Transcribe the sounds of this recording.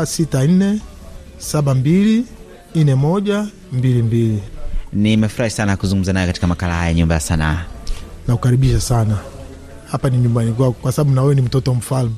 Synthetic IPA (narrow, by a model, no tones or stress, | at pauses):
sitan̩nɛ | saɓambili | n̩nɛmɔʄa | mbilimbilinimɛfuɾahisanakuzuŋɡum̩zanajɛkati̥kamakalahajaɲumbajasanaːnakukaɾiɓiʃasana | hapaniɲumbanik̬wakɔkwasaɓaɓunawɛɛnim̩tɔtɔwam̩falmu